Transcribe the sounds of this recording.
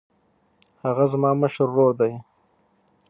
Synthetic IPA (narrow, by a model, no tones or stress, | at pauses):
haɣazmɑːməʃəɾːoɽd̪aj